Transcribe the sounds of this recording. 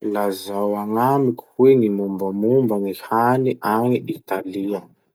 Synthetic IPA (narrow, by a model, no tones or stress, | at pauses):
lazawaŋamiku̥hweŋimumbəmumbanihaniʔaŋiʔit̪aliə